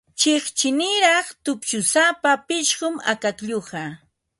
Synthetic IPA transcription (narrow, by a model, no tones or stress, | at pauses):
t͡ʃɪχt͡ʃɪnɪɾɑχt̪ʊpt͡ʃʊsapapɪʃɢʊma̰kakʎoɢɑ